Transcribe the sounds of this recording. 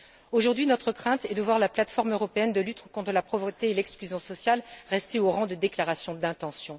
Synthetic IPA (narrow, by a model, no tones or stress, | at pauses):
oʒuʁd̪ɥinɔt̪χəkχɛ̃t̪ɛd̪əvwaʁlaplat̪fɔʁmøʁɔpeɛnd̪əlyt̪kɔ̃t̪χəlapχɔvʁət̪eːlɛksklyzjɔ̃sɔsjalʁɛst̪eoʁɑ̃d̪əd̪eklaʁasjɔ̃d̪ɛ̃t̪ɑ̃sjɔ̃